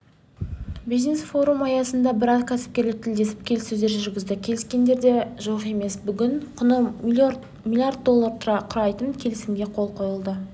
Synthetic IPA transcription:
bijznesfo̞ɾumɑjɑsənd̪ɑbɪɾɑzkʲʰæsɪ̥p̚kʲe̞ɾlɪk̚t̪ʰɪld̪e̞sɪ̥p̚kʲʰe̞lɪsɵzd̪e̞ɾʒʏɾɡʲɪzd̪ɪkʲʰe̞lɪskʲe̞nd̪e̞ɾd̪e̞ʒoqe̞me̞sbʏɡʲɪɴqʰʊnə | mʲilʲˠijard̪̚d̪o̞lˠːaɾt̪ʰʊɾɑqʰʊɾɑjt̪ənkʲʰe̞lɪsɪmɡʲe̞qʰo̞lˠqʰo̞jəlˠd̪ə

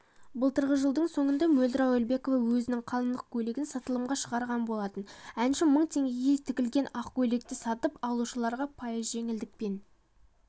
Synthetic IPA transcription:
bʊlˠt̪ʰəɾʁəʒəlˠd̪əɴso̞ɴənd̪ɑmɵld̪ɪɾɑwelbe̞ko̞vɑwɵzɪnɪŋqʰɑlˠənd̪əq̚kʲʰɵle̞ɡʲɪnsɑt̪əlˠəmʁɑʃəʁɑɾʁɑnbo̞lˠɑt̪ənænʃɪməɴt̪ʰe̞ŋɡʲeɡʲet̪ʰɪkʲɪlɡʲe̞nɑqkʲʰɵle̞k̚t̪ɪsɑt̪əpɑlˠuʃəlˠɑɾʁɑpʰɑjəzʒe̞ŋɪld̪ɪk̚pe̞n

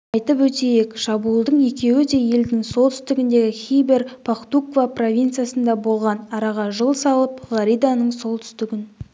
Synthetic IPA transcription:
ɑjt̪əpwɵt̪e̞je̞kʃɑbuəlˠd̪əɴje̞kʲe̞wɪd̪e̞je̞ld̪ɪŋso̞lˠt̪ʰʏ̥st̪ɪɡʲɪnd̪e̞ɡʲɪχʲijbe̞ɾpʰakt̪ukvapro̞vʲijnt̪sɨjasənd̪ɑbo̞lˠʁɑnɑɾɑʁɑʒəlˠsɑlˠəpʁɑɾijd̪anəɴso̞lˠt̪ʰʏ̥st̪ɪɡʲɪn

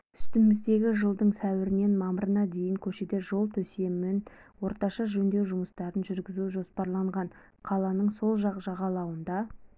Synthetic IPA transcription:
ʏst̪ɪmɪzd̪e̞ɡʲɪʒəlˠd̪əɴsæwɪɾɪne̞nmɑməɾənɑd̪e̞jɪŋkʲʰɵʃe̞d̪e̞ʒo̞lˠt̪ʰɵse̞mɪnwo̞ɾt̪ɑʃɑʒɵnd̪e̞wʒʊməst̪ɑɾənʒʏɾɡʲɪzuʒo̞spɑɾlˠɑɴʁɑn | qʰɑlˠɑnəɴso̞lˠʒɑqʒɑʁɑlˠɑwənd̪ɑ

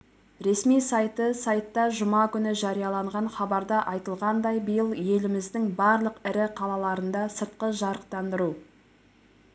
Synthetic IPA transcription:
ɾe̞smijsɑjt̪əsɑjt̪ːɑʒʊmɑkʲʏnɪʒɑɾijɑlˠɑɴʁɑɴχɑbɑɾd̪ɑʔɑjt̪əlˠʁɑnd̪ɑjbəjəlˠje̞lɪmɪzd̪ɪŋbɑɾlˠəqɪɾɪqʰɑlˠɑlˠɑɾənd̪ɑsəɾt̪̚qəʒɑɾəq̚t̪ɑnd̪əɾu

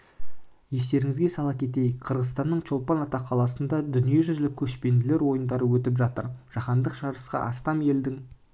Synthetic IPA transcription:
je̞st̪e̞ɾɪŋɪzɡʲe̞sɑlˠɑp̚kʲʰe̞t̪̬e̞jqʰəɾʁəzt̪ɑnːəɴt͡ʃʰo̞lˠpɑnɑt̪ɑqʰːɑlˠɑsənd̪ɑd̪ʏnije̞ʒʏzlɪkʲʰɵʃpe̞nd̪ɪle̞ɾwo̞jənd̪ɑɾəwɵt̪ɪpʒɑt̪ə̰ɾʒ̥ɑχɑnd̪əqʃɑɾəsqɑ̰ʔɑst̪ɑme̞ld̪ɪŋ

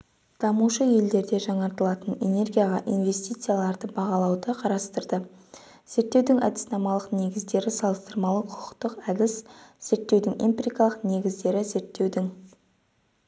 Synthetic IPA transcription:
d̪̥ɑmuʃəje̞ld̪e̞ɾd̪e̞ʒɑɴɑɾt̪əlˠɑt̪əne̞ne̞rɡʲijaʁɑʔinve̞st̪ijt̪sɨjalˠɑɾd̪əbɑʁɑlˠɑwd̪əqʰɑɾɑst̪əɾd̪ə | z̥e̞ɾt̪ːe̞wd̪ɪŋɑ̰d̪ɪ̥snɑmɑlˠəqne̞ɡʲɪzd̪e̞ɾɪsɑlˠəst̪əɾmɑlˠəqʰʊ̥qʰə̥qt̪əqæd̪ɪsz̥e̞ɾt̪ːewd̪ɪŋimpɾʲikɑlˠəqne̞ɡʲɪzd̪e̞ɾɪze̞ɾt̪ːe̞wd̪ɪŋ

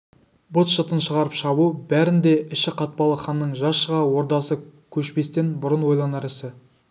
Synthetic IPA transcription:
bot̪ʃət̪ənʃəʁɑɾəpʃɑβubæɾɪnd̪e̞ɪʃɪqʰɑt̪̚pɑlˠəχɑnːəɴʒɑsʃəʁɑwo̞ɾd̪ɑsəkʲʰɵʃpe̞st̪e̞nbʊɾənwo̞jlˠɑnɑɾɪsɪ

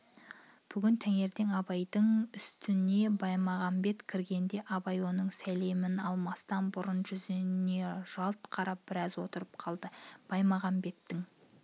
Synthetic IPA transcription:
b̥ʏɡʲɪnt̪ʰæŋe̞ɾd̪e̞ŋɑbɑjd̪əɴʏst̪ɪne̞bɑjmɑʁɑmbe̞t̪kʲʰɪɾɡʲe̞nd̪e̞ʔɑbɑjwo̞nəɴsæle̞mɪnɑlˠmɑst̪ɑnbʊɾʊnʒʏznne̞ʒ̥ɑlˠt̪qʰɑɾɑp̚b̥ɪɾɑzwo̞t̪əɾəp̚qʰɑlˠd̪əb̥ɑjmɑʁɑmbe̞t̪ːɪŋ

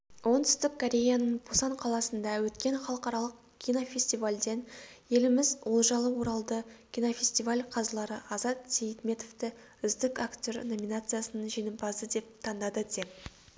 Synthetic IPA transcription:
wo̞nt̪ʰʏ̥st̪ɪkʰːoɾʲe̞janəɴbosɑɴqʰɑlˠɑsənd̪ɑwɵt̪kʲe̞ɴχɑlˠəqɑɾɑlˠəq̚ | kʲʰinofʲesʲt̪ivalʲd̪e̞nje̞lɪmɪzwo̞lˠʒɑlˠəwo̞ɾɑlˠd̪əkʲijnofʲe̞sʲt̪ivalʲqʰɑzlˠɑɾəʔɑzɑt̪sʲejt̪mʲe̞t̪o̞vt̪ɪ | ʏzd̪ɪkakt̪ʲo̞rno̞mʲinat̪sɨjasənənʒijnɪmbɑzd̪əd̪e̞p̚t̪ʰɑnd̪ɑd̪əd̪e̞p̚

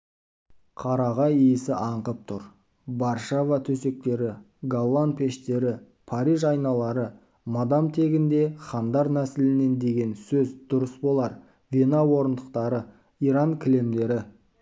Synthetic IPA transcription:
qʰɑɾɑʁɑjijɪsɪʔɑɴqəp̚t̪ʰʊɾ | bɑɾʃavɑt̪ʰɵse̞k̚t̪e̞ɾɪ | ɡalˠːanpʰʲe̞ʃt̪e̞ɾɪ | pʰɑɾijʒɑjnɑlˠɑɾə | mɑd̪ɑmt̪ʰe̞ɡʲɪnd̪e̞χɑnd̪ɑɾnæsɪlɪne̞nd̪e̞ɡʲe̞nsɵzd̪̥ʊɾəsbo̞lˠɑɾ | vʲenɑwo̞ɾənd̪əqt̪ɑɾə | iɾɑŋkʲʰɪle̞md̪e̞ɾɪ

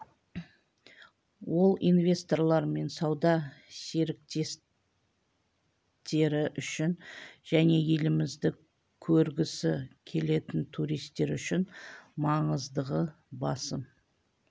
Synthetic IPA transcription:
wʔo̞lˠḭnvʲe̞st̪o̞rlˠɑɾme̞nsɑwd̪ɑse̞ɾɪk̚t̪e̞s | t̪e̞ɾɪʔʏʃɪnʒ̥æne̞je̞lɪmɪzd̪ɪ | kʲʰɵɾɡʲɪsɪkʲʰe̞le̞t̪ɪnt̪ʰuɾijst̪ːe̞ɾʏʃɪnmɑɴəzd̪əʁə | bɑsəm

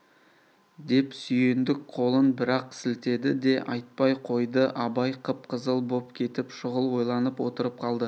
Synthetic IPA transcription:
d̪e̞psʏje̞nd̪ɪk̚qʰo̞lˠənbɪɾɑqsɪlt̪e̞d̪ɪd̪e̞ʔɑ̰jt̪̚pɑjqʰo̞jd̪əʔɑbɑjqʰəp̚qʰəzəlˠbo̞pkʲʰe̞t̪ɪpʃʊʁəlˠwo̞jlˠɑnəpwo̞t̪əɾəp̚qʰɑlˠd̪ə

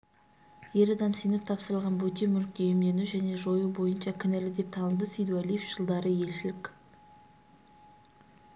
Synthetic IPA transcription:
je̞ɾɑd̪ɑmsijnɪp̚t̪ʰɑpsəɾəlˠʁɑnbɵt̪emʏlk̚t̪ejɪmd̪e̞nuʒæne̞ʒo̞jubo̞jənʃɑkʲʰɪnelɪd̪e̞p̚t̪ʰɑnəlˠd̪əsijd̪ualijefʒ̥əlˠd̪ɑɾəje̞lʃɪlɪkʲ

